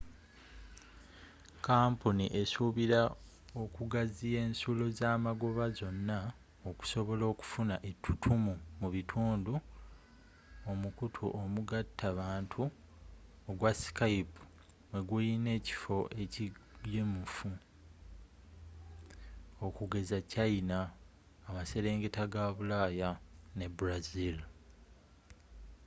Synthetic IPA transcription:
kaːmpunḭʔe̞suβiɾa | okuɡazije̞ːnsulo̞zaːmaɡo̞βazo̞nːa | oku̥so̞βo̞lo̞ːku̥funaʔetʰːu̥tʰumumuβitʰuːndu | omukutʰṵʔomuɡatʰːaβaːntʰu | oɡwasi̥kaipu̥ | we̞ɡwujine̞ːci̥fo̞ʔe̞cijemufu | okuɡe̞zacainaː | mase̞ɾe̞ːŋɡe̞taɡaβulaːjane̞buɾazil

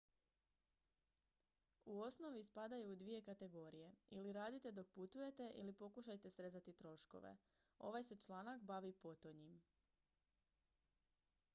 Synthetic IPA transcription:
uo̞sno̞ʋispad̪ajuːd̪ʋije̞kat̪e̞ɡo̞ɾije̞iliɾaːd̪it̪e̞d̪o̞k̚put̪uje̞t̪e̞ʔḭlipo̞kuʃajt̪e̞sɾe̞zat̪it̪ɾo̞ʃko̞̰ʋḛ | o̞̰ʋajse̞t͡ʃlˠaːnakbaʋipo̞t̪o̞ɲim

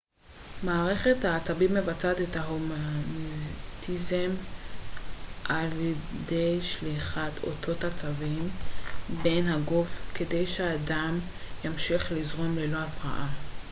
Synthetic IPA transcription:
maːʁe̞χe̞thaːt͡sabimːe̞vat͡sat̪etaɦomantʰizem | ʔaljede̞jʃliχatʰo̞̰tʰo̞that͡savimbe̞jnɦaɡofke̞de̞jʃeaːdam | jamʃiχlizʁo̞mlelo̞afʁa̰ʔa

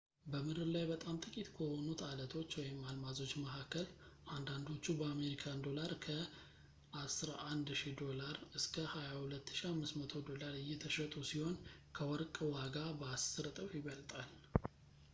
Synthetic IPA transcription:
bəmɨd̪ɨɾlajbət̪ʼamt̪ʼɨkʼit̪kʰohonut̪ʰalət̪ʰo̞t͡ʃːwɔjɛmːalmazo̞t͡ʃːməhakʰːəlʔand̪and̪o̞t͡ʃːubəame̞ɾikʰand̪o̞laɾkʰə | ʔasɾaʔand̪ʃid̪o̞laɾɨskʰəhajahulət̪ːɨ̥ʃiamːɨsmət̪ʰo̞d̪o̞laɾɨjːɛt̪ʰəʃət̪ʼusiho̞nkʰəwɔɾkʼwaɡabəasːɨɾt̪ʼəwjɪβəlt̪ʼal

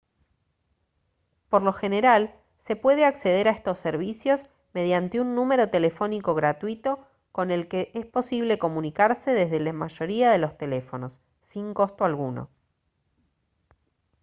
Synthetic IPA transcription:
po̞ɾlo̞xe̞ne̞ɾal | se̞pwe̞ðeakse̞ð̞e̞ɾaest̪o̞sːeɾβ̞isjo̞s | me̞ðjant̪eunːũme̞ɾo̞t̪e̞le̞fo̞niko̞ɣɾat̪wit̪o̞ | ko̞ne̞lkeʔespo̞siβ̞le̞ko̞munikaɾse̞ðezðe̞lamaʒo̞ɾiaðe̞lo̞st̪e̞le̞fo̞no̞sː | iŋko̞st̪oalɣuno̰

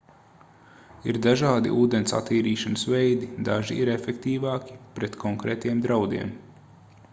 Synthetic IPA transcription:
iɾd̪aʒɑːd̪ḭʔuːd̪ensa̰t̪ːiːɾiːʃanəsvɛjd̪id̪aʒiiɾefɛkt̪iːvɑːkʲi̥pɾɛt̪kʰɔŋkɾɛːt̪jɛmd̪ɾawd̪ḭɛm

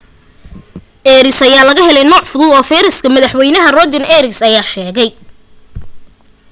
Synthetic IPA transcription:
ʔɛːɾɪsɐjaːlɐɣɐɦɛlɛjnɔːʕfʊðʊlɔːfɛːɾɐskʰɐmɐðɐħwɛjnɐɦɐrɔd̪ɪnɛːɾɪsɐjaːʃɛːɣɛj

